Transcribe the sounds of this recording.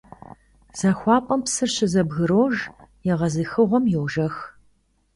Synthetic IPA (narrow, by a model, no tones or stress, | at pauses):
z̥ɐxʷɑːpʼɐmpsɨrɕɪzɐbɣɨɾoːʒjɛʁɐzɨxɨʁʷɔmjɛwʒɐx